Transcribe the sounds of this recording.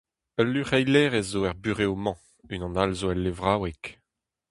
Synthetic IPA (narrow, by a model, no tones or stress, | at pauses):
əlːyʁɛjlɛːʁezːoɛʁbyʁeomɑ̃ | ynɑ̃nalzoɛlːevʁaːwɛk